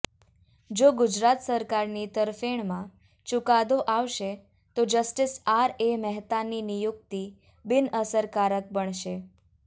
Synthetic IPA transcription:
d͡ʒoɡʊd͡ʒɾat̪səɾkaɾnit̪əɾfeɳmã | t͡ʃukad̪oʔaʋʃe | t̪od͡ʒəsʈɪsaɾemɛɦt̪aninijuk̚t̪i | bɪnəsəɾkaɾək̚bəɳʃe

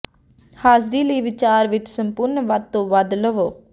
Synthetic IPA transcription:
haːzɾiːləiʋɪt͡ʃaːɾʋɪʈʰsəmpʊɾnəʋat̪ːõːʋɐd̪ləʋoː

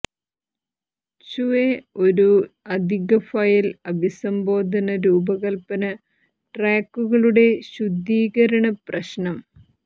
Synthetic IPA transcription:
t͡ɕuʋeo̞ɾuɐd̪ʱiɣɐfajilɐbʱisɐmbo̞ːd̪ʱɐnɐɾuːbɐɣɐlpɐnɐ | ʈraːkːuɣɐɭuɽe̞ɕud̪ʱːiːɣɐɾɐɳɐprɐɕnɐm

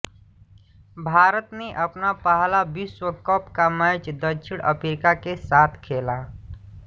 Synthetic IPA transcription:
bʱaːɾət̪neʔɐpnapəɦlabiswəkɔpkamət͡ʃd̪əʃʰɪɽ̃ʔə̰pʰeɾɪkakesaːt̪ʰkʰeːla

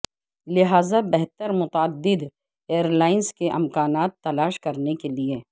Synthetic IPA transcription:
lɪɦaːzabɛɦt̪əɾmʊt̪əd̪ːɪd̪ | eːəɾlaːɪnskeʔɪmkaːnaːt̪ːɐlaːʃkɐɾnekelie

